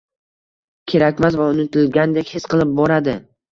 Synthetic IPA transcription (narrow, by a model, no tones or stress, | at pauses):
kʲʰe̞ɾakʲmazvaʊnɪt̪ʰʊlɡʲand̪e̞kʲhesqɨlˠɪp̚bɒɾad̪ɪ